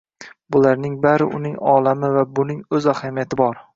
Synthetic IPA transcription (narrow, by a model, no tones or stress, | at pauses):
bʊlaɾnɪŋbaɾɪ̰ʔʊ̰nɪŋɒlamɪvabʊnɪŋɵzahamijat̪ʰɪbɒɾ